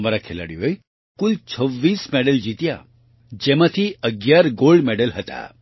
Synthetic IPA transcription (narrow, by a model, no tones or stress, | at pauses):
maɾakʰela̰ɽiʋoj | kult͡ʃʰəʋːiːsmeɽəld͡ʒit̪ja | d͡ʒemat̪ʰiəɡjaɾɡolɖmeɖəlɦət̪a̰